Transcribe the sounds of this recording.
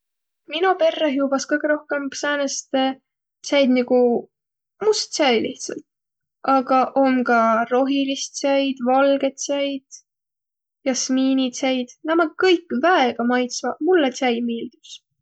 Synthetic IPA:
minɑpe̞rːeɦiub̥ɑskɤjɡ̥eɾo̞hkempsæːnest̪e | t̪sæjd̪niɡu | must̪sæjliht̪sɑ̰lt̪ | ʔɑɡ̥ɑʔo̞mkɑɾo̞ɦilist̪sæjd̪̥vɑlɡ̥e̞t̪sæjd̪̥ | jɑsmiːnit̪sæjd̪̥næmɑkɤjkːˑvæeɡ̥ɑmɑjt̪svɑmulːet̪ʲæjmiːld̪̥ups

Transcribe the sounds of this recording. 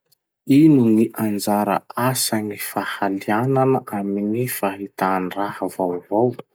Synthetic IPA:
inuniʔand͡zaɾə̰asaŋifahaliananəʔaminifaɦit̪anirahəvawvow

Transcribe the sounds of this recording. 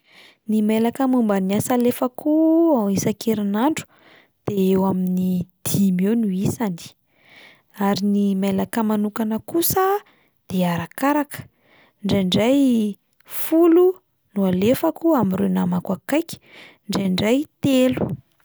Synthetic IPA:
nimelakəmumbaniasalefakuaisakʰeɾinaɳɖ͡ʐu̥ | d̪̥eewaminid̪̥imewnuisani̥ | aɾinimelakəmanukanəkusə | d̪̥eaɾakaɾakə̥ | ɳɖ͡ʐaɳɖ͡ʐaj | fulu | nualefakuamirenamakwakajkʲi̥ | ɳɖ͡ʐejɳɖ͡ʐajt̪elu̥

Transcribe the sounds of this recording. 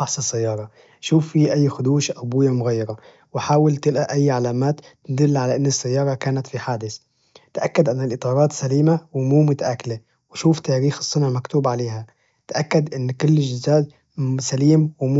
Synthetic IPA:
ɑħsˤɪsːajːɑːɾˤɑ | ʃuːfːiʔajːxʊd̪uːʃʔabuːjamʊɣajːɑɾˤɑ | wħaːwɪlt̪ɪlʔaʔajːʕalaːmaːt̪ | d̪ɪlːʕalaʔɪnːɪsːajːɑːɾˤɑkaːnat̪fiħaːd̪ɪθ | t̪ʔakːad̪ʔanːɪlʔɪt̪ˤɑːɾˤɑːt̪saliːmawmuːmʊt̪aʔakale | wʃuːft̪aːɾiːxɨ̥sˤːʊnʕmakt̪uːbʕaleːɦa | t̪ʔakːad̪ʔɪnːkʊlːʒɪzaːd̪ | saliːmwɪm

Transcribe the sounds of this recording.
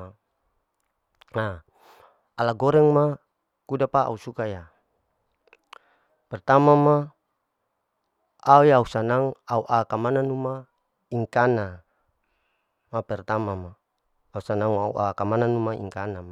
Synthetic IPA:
aː | laɡɔɾɛŋma | kudapaa̰usukaja | pɛrt̪amama | aujausanaŋauʔakamananuma | iŋkana | mapɛrt̪amamaː | usanaŋaṵʔakamananumaḭŋkanama

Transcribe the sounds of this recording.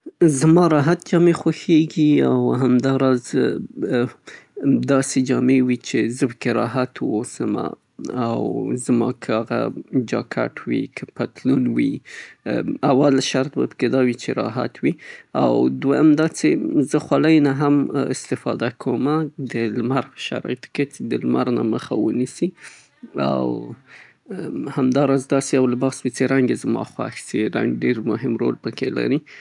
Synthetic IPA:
zmɑɾɑɦat̪̚d͡ʒɑmexaxeɡiawɦamd̪ɑɾɑz | d̪ɑsed͡ʒɑmewit͡ʃezəpə̥keɾɑɦat̪wosəma̰ | awzmɑ̰kʰəaɣa̰d͡ʒɑ̰kʰa̰ʈʰwḭkʰəpat̪lunwḭ | awalʃaɾt̪̚ba̰pə̥ked̪ɑwit͡ʃeɾɑ̰ɦa̰t̪ʰwia̰wd̪wajamd̪ɑt͡sezəxwaləjnaɦamɪ̰st̪ɪfɑd̪akʰomad̪əlmaɾʃa̰ɾɑ̰ɪt̪o̥ket͡sed̪əlmaɾna̰məxa̰wənisi | a̰w | hamd̪ɑɾɑzd̪ɑseawlɪbɑswit͡seɾaŋɡezmɑ̰xwa̰xsiɾa̰ŋɖeɾmʊɦɪmɾolpəkʰela̰ɾi

